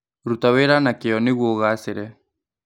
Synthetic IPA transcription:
ɾut̪aweɾanakeɔnɪɣwoɣaseɾɛ

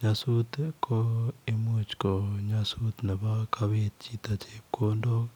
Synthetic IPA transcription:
ɲasut̪kʰoemut͡ʃkoɲasut̪nabakʰaβet̪̚t͡ʃit̪at͡ʃekondo

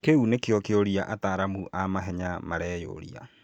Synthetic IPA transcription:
keunekejɔkeoɾiaʔataːɾamuʔamaɦɛɲamaɾɛjo̰ɾḭa̰

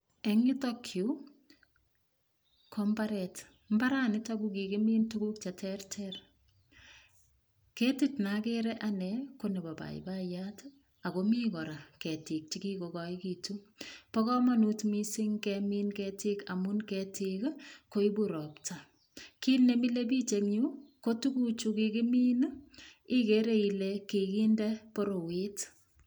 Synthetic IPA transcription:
ɛŋɪtokʰju | kʰombaɾɛt | m̩baɾanɪtakukikemiːntukuk̚t͡ʃatʰɛrtʰɛr | kɛtitnakeɾɛʔanɛkonɛbaba̰ḭbajat | akomiːkɔɾakɛtik̚t͡ʃikikokɔikitupɔkɔmanutmisɪŋkɛminkɛtikamunkɛtʰikkoibuɾɔpta | kilnemilepit͡ʃekɲukotukut͡ʃukikɪmiːn | ɪkeɾeilekekindɛpoɾowet

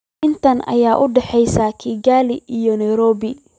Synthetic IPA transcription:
ʔɪnt̪ʰɐnʔɐ̰jaːʔʊɖɛħɛjsaːkʰiːɡaːlɪʔijɔnɛjɾɔːbɪ

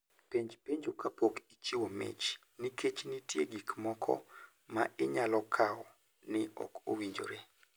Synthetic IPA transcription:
peɲd͡ʒpeɲd͡ʒokapokit͡ʃiwomḛt͡ʃ | nikʰet͡ʃnɪtjeɡikmɔkʰɔ̰ | maʔɪɲalɔkʰaɔ | nɪɔ̰kowiɲd͡ʒo̰ɾe

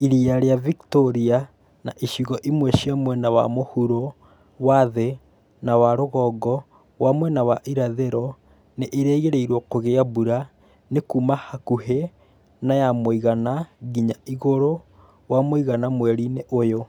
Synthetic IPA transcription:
iɾiaɾeaviktoɾia | naʔiʃiɣɔʔimwɛʃiamwɛnawa̰mohuɾo | waðe | nawaɾoɣɔːɡɔ | wamwɛnawaʔiɾaðeɾɔ | neʔːɾeːɣeɾeiɾwɔkoɣeabuɾa | nekuːmahakuhe | najamoiɣanaɣiɲaiɣoɾo | wamoiɣanamwɛɾineʔojo

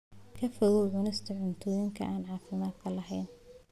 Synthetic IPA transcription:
kʰɐfɔɣɔʕʊnɪst̪ʰɐʕʊnt̪ʰɔːjɪŋkʰɐ̰ʔaːnʕɑːfɪmaːd̪kʰɐlɐɦɛjn

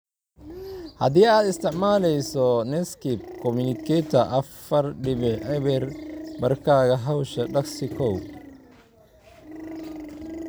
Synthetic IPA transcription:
hɐ̰d̪ɪjaːd̪ɪst̪ɪʕmaːlɛjsɔnɛskip̚kɔmunɪkɛt̪ɐʔɐfːɐɾɖɪβɪʔɛβɛɾbɐɾkaːɣɐɦɐwʃɐɗɐɡsɪkʰɔw

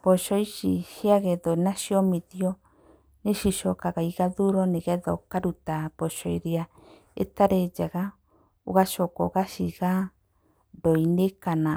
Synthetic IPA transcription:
pɔʃɔiʃiʃiaɣɛðɔnaʃiɔmiðiɔ | neʃiʃɔkaɣaiɣaðuɾɔnɛɣɛðɔ̰kaɾutapɔʃɔiɾia | ḛtaɾed͡ʒaɣa | oɣaʃɔkɔɣaʃiɣa | doinekana

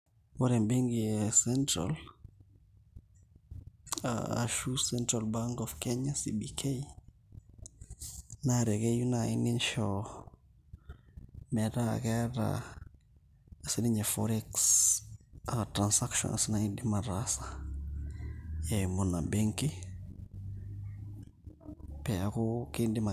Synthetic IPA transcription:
wɔɾɛmbiŋɡiɛsɛntɾa̰l | a̰a̰ʃusɛntɾalbaŋkɔfkɛɲasibikʰei | naɾɛkejunaɪninʃɔ | mɛɾa̰kɛɾa̰ | siniɲefɔɾɛks | atɾansakʃɔ̰nasinaindimaɾasa | jɛmunabeŋki | pɛakɔkindɪma

